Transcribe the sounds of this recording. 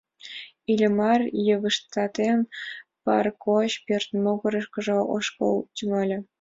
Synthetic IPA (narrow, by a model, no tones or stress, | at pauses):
ilʲə̆mɑrjəβə̆ʃt̪ɑt̪enpɑ̰rkʰoɕpørt̪moɣɤ̆ɾɤ̆ʃkɤ̆ʒɤ̆ʔoʃko̰lt͡ɕʲumɑlʲɤ̆